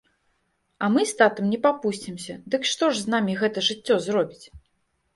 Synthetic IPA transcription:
ɐmɨst̪at̪ɐmnʲɛpapusʲt͡sʲimsʲɐd̪ɨkʂt̪ɔʐznamʲiɣɛt̪ɐʐɨt͡sʲːɔzrɔbʲit͡sʲ

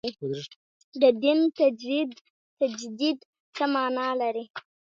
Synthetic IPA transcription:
d̪əd̪ɪnt̪ad͡ʒid̪ | t̪ad͡ʒd̪id̪ | t͡səmɑnɑlaɾi

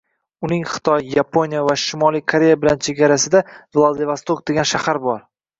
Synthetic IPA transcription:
ʊnɪŋχɨ̥t̪ʰɒjːapʰonijavaʃɪmɒlijkʰaɾe̞jabɪlant͡ʃʰeɡʲaɾasɪd̪avlˠad̪evast̪ok̚d̪e̞ɡʲanʃahaɾbɒɾ

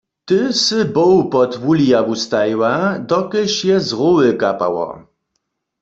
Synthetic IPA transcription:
t̪ɪsɨbɔwpɔt̪wulijavust̪ajwad̪ɔkɪʃjɛzʁowɪkapa̰wɔ̰

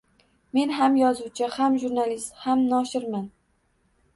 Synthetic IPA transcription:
me̞nɦamjɒzuwt͡ʃʰɪhamʒuɾnalist̪hamnɒʃɪɾman

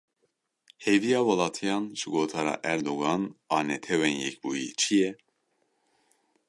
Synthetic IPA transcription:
hevijɑːwɑlɑːt̪ʰijɑːnʒɨɡoːt̪ʰɑːɾɑ̰ːʔæɾd̪oɡɑːnɑːnɛt̪ʰɛwɛnjɛ̰k̚buːjḭt͡ʃʰijɛ

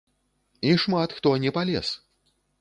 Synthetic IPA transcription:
iʂmat̪xt̪ɔnʲɛpalʲɛ̰s

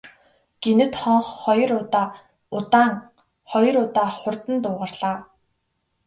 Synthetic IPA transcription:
ɡ̥enɘ̆t̪χɔɴχːɔjɞ̆ɾʊt̪aː | ʊt̪aːŋ | χɔjɞ̆ɾʊt̪aːχʊr̥t̪ə̆nt̪ʊːʁărɮ̥aː

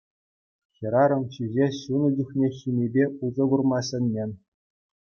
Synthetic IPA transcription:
xʲɤ̆ɾɑɾɤ̆mɕizʲeɕunɤ̆d͡ʑʲuχnʲeɕʲimʲebʲeuzɤ̆ɡurmɑsʲɘ̆nʲːenʲ

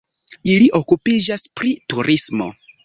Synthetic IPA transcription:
iliʔo̞kupid͡ʒaspɾituɾismo̞̰

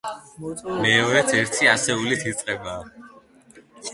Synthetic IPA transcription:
mɛɔɾɛt̪ʰɛɾt̪ʰiasɛulit̪ʰit̪sʼqʼɛbaː

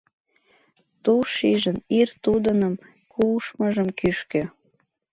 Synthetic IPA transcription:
t̪uʃiʒənirt̪ud̪ənəm | kʰuʃməʒəmkyʃkø

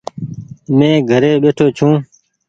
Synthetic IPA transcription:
mẽːɡʱəɾeːɓeːʈʰoːt͡ʃʰũː

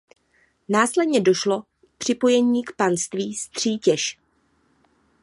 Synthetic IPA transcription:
naːslɛdɲɛdo̞ʃlo̞ | pr̥ɪpo̞jɛɲiːkpanst̪viːst̪r̝̥iːcɛʃ

